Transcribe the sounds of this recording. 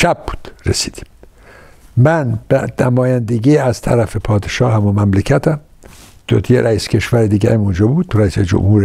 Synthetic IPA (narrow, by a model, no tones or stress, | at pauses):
ʃæb̚bu̥ːd̪̥ɾesiːd̪̥i̥m | mænbænæmɒːjænd̪eɡiːæzt̪ʰæ̰ɾæfepʰɒːd̪eʃɒːhɦæmumæmlecʰæt̪ʰæm | d̪̥ot̪ʰjeɾʔæiːscʰe̞ʃvæɾed̪iːɡæɾæmund͡ʒɒːbuːd̪̥ɾæiːsed͡ʒo̰mhuːɾe